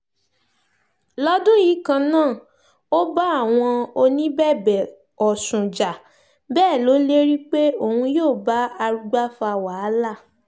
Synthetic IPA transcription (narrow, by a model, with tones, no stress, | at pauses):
lɔ˦dũ˦ji˨˦kã˧nãː˦˨ | o˦ba˦a˦˨w̃ɔ̃˧o˧nĩ˦bɛ˦˨bɛ˨ | ɔ˨sũ˨d͡ʒa˨ | bɛː˦˨lo˨˦le˦ɾi˦k͡pe˦o˦˨hũ˧joː˦˨ba˨˦a˧ɾu˧ɡ͡ba˦fa˧˨wa˨a˦la˦˨